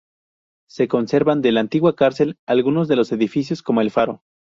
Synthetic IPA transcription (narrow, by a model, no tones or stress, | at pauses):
se̞ko̞nse̞ɾβand̪elant̪iɣwakaɾse̞lalɣuno̞zðe̞lo̞se̞ðifis̬jo̞sko̞mo̞e̞lfaɾo̞